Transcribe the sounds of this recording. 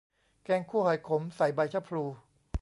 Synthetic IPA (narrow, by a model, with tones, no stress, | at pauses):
kɛː˧ŋkʰuː˥˩əhaː˨˩jkʰo˩˦msa˨˩jba˧jt͡ɕʰa˦˥˩pʰɾuː˧